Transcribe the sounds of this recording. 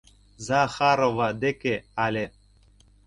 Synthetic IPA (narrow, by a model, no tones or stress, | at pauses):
zaxaɾovad̪ekʲealʲe